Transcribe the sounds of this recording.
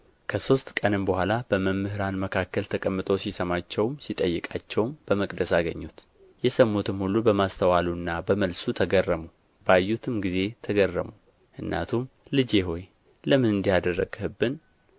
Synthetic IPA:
kʰəso̞st̪kʼənɨmbəhʷalab̥əməmːɨhɨɾanməkʰakːəlt̪ʰəkʼəmːɨt̪ʼo̞sisəmat͡ʃːɛwmsit̪ʼəjːɨkʼat͡ʃːɛwmb̥əməkʼd̪əsaɡəɲːut̪ | jɛsəmːot̪ʰɨmhulːubəmast̪ʰəwalunːabəməlsut̪ʰəɡərːəmu | b̥ajːut̪ʰɨmɡize̞t̪ʰəɡərːəmu | ʔɨnːa̰t̪ʰumlɨd͡ʒeɦo̞j | ləmɨnɨnd̪ijad̪ərːəɡ̥hɨbːɨn

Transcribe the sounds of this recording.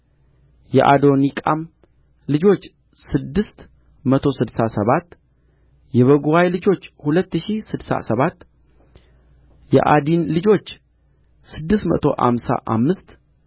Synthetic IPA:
jɛ̰ʔad̪o̞nikʼam | lɨd͡ʒo̞t͡ʃː | sɨd̪ːɨst̪ | mət̪ʰo̞sɨd̪sasəβat̪ː | jɛβəɡuwajlɨd͡ʒo̞t͡ʃːhulət̪ːɨʃisɨd̪sa̰səβat̪ː | jɛ̰ʔad̪inlɨd͡ʒo̞t͡ʃː | sɨd̪ːɨst̪mə̰t̪ʰo̞̰ʔa̰msa̰ʔa̰mːɨst̪

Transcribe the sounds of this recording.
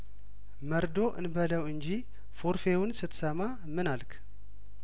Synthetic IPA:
məɾd̪o̞ʔɨ̰nbələwɨnd͡ʒi | foɾfe̞wʊnsɨt̪səma | mɨnalkʰ

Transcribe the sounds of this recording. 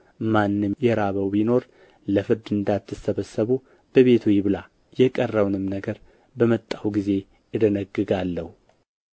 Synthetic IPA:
manːɨmjɛɾaβəwbino̞ɾ | ləfɨɾd̪ɨnd̪at̪ːɨsːəβəsːəβu | b̥əβe̞t̪ʰujɪβɨla | jɛkʼərːəwnɨmnəɡəɾ | bəmət̪ʼːawɡize̞ | ɨd̪ənəɡːɨɡalːəhu

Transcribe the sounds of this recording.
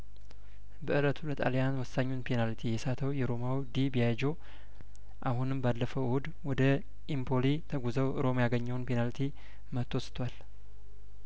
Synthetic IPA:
bəʔɨlət̪ʰulət̪ʼa̰ljanwɔsːaɲːunpʰenalt̪ʰijɛsat̪ʰəwjɛɾo̞mawd̪ibijajd͡ʒo̞ | ʔahunɨmbalːəfəwud̪ | wɔd̪ə | ʔimpʰolit̪ʰəɡuzəwɨɾo̞majaɡəɲːəwnpʰenalt̪ʰi | mət̪ːost̪ʰwal

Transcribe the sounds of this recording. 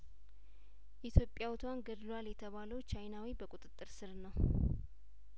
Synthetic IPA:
ʔit̪ʰjo̞pʼːjawt̪ʰwanɡəd̪lwaljɛt̪ʰəβaləwt͡ʃʰajnawibəkʼut̪ʼɨt̪ʼːɨɾsɨɾnəw

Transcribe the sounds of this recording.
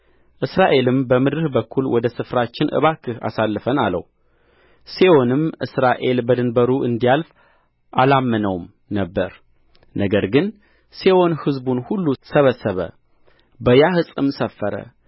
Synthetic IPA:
ʔɨsɾaʔe̞lɨmbəmɨd̪ɾɨhbəkʰːulwɔd̪əsɨfɾat͡ʃːɪnʔɨ̰βakʰːɨha̰salːɨfənalə̰w | sewo̞nɨmʔɨ̰sɾaʔe̞lbəd̪ɨnbəɾuʔɨnd̪ijalf | ʔalamːɨnəwm | nəbːəɾ | nəɡəɾɡɨn | sewo̞nhɨzbunhulːusəβəsːəβə̰ | bəjahɨsʼɨmsəfːəɾə̰

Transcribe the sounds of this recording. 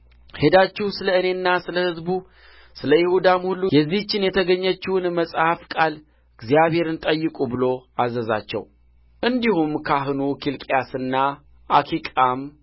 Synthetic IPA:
he̞d̪at͡ʃːihsɨləɨne̞nːasɨləhɨzbu | sɨləjɪhud̪amhulːujɛzːit͡ʃːɪnjɛt̪ʰəɡəɲːət͡ʃːuwnməsʼhafkʼal | ɨɡzijaβhe̞ɾɨnt̪ʼəjːɨkʼubɨlo̞azəza̰t͡ʃːɛ̰w | ʔɨnd̪ihumkʰaɦɨnukʰilkʼjasɨnːa | ʔakʰikʼam

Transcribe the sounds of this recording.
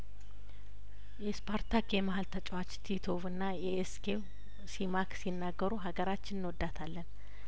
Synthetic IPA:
jɛspʰaɾt̪ʰakjɛmaɦalt̪ʰət͡ʃʼwat͡ʃt̪ʰit̪ʰo̞vɨnːajeːskʰew | simaksinːaɡːəɾuɦaɡəɾat͡ʃːɪnɨnwɔd̪ːat̪ʰalːən

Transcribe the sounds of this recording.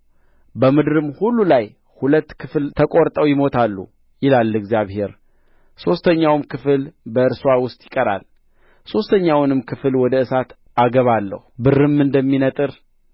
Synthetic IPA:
bəmɨd̪ɾɨmhulːulaj | hulət̪ːkʰɨflt̪ʰəkʼoɾt̪ʼəwjɪmo̞t̪ʰalːṵ | jɪlalːɨɡzjaβhe̞ɾ | so̞st̪ʰəɲːawmkʰɨfɨlbəɨɾswawʊst̪ʼjɪkʼəɾa̰l | so̞st̪ʰəɲːawnɨmkʰɨfɨlwɔd̪əɨsat̪ | aɡəβalːə̰hubɨrːɨmːɨnd̪əmːinət̪ʼɨɾ

